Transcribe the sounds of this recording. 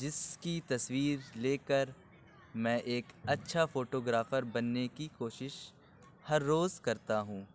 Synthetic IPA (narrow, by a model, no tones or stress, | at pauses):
d͡ʒɪskit̪ɐswiːɾleːkəɾ | mɛ̃ːʔeːkɐtːʃʰafoːʈoːɡɾaːfəɾbɐnːekikoːʃɪʃ | hɐɾːoːzkɐɾt̪aɦũː